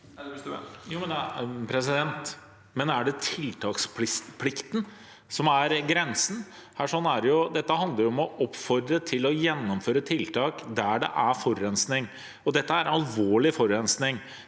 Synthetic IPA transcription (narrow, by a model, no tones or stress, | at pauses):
juːmɛnpʰɾɛs̬ɪd̪ɛnt̪ | mɛnæɖɛt̪ʰɪlt̪ʰɑːkspʰɪpʰlɪkt̪ən | sɔmæɾɡɾɛnsn | hæːʂɔnːæɾjʊd̪ɛt̪ːəɦɑnd̪ləɾɔmɔʔɔpːfɔɾd̪ɾət̪ʰɪlɔjɛnːɔmføːɾət̪ʰɪlt̪ʰɑːkd̪æɖɛ̰ʔæfɔɾːɛnsnɪŋ | ɔd̪ɛt̪ːəæɾɑlʋoːɭɪfɔɾɛnsnɪŋ